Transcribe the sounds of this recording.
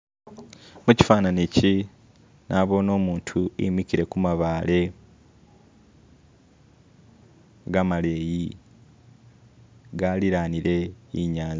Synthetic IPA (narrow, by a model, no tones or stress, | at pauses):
muci̥faːnanici | nʔaβo̞ːno̞ːmuːntʰuḭmikiɾe̞kumaβaːle̞ | ɡamale̞ːji | ɡaliɾaːniɾe̞ḭɲaːnza